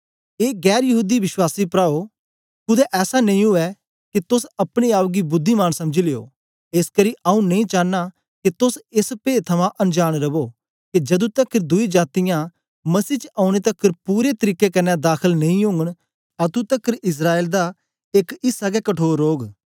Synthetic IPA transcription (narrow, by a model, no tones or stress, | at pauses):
eːɡɛːɾjɐɦuːd̪iʋɪʃwaːsiːpɾaːo | kʊd̪ɛʔɛːsanɐ̃ĩɦʊɛ | kit̪ʊsɐpɽ̃iaːʋɡibʊd̪ʱːimaːnsɐmd͡ʒileːo̰ː | eskəɾiʔaːũnɐ̃ĩt͡ʃaːnːa | kit̪ʊsɪspeːt̪ʰɐmãʔɐnd͡ʒaːɽ̃ɾɐboː | kid͡ʒɐd̪ũt̪ɐkːəɾd̪ʊid͡ʒaːt̪ɪjã | mɐsiːt͡ʃəaːʊɽ̃et̪ɐkːəɾpuːɾet̪əɾiːkːekɐɾnːɛd̪aːkʰəlnɐ̃ĩjʊ̃ŋɡəɽ̃ | ɐt̪ũt̪əkːəɾɪs̬ɾaːeːld̪a | ekɪsaɡɛkɐʈʰoːɾːoːɡ